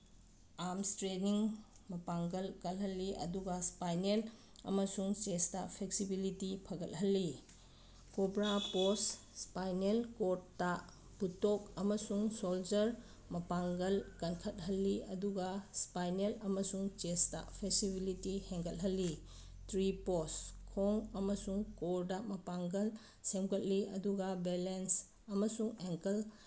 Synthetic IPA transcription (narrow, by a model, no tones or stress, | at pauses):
amstɾeniŋ | mɐpaŋɡɐlkɐlɦɐlːiɐ̰duɡɐspajnel | ɐ̰mɐsuŋt͡ʃestɐpʰeksibilitipʰɐɡɐt̚ɦɐlːi | kobɾapos | spajnelkottːa | b̥utok̚ɐmɐsuŋsold͡ʒɐɾ | mɐpaŋɡɐlkɐnkʰɐt̚ɦɐlːiɐduɡaspajnelɐmɐsuŋt͡ʃesta̰pʰesibilitiheŋɡɐt̚ɦɐlːi | tɾiposkʰoŋɐmɐsuŋkoɾdamɐpaŋɡɐl | semɡɐt̚liɐ̰duɡabelens | ɐmɐsuŋeŋkɐl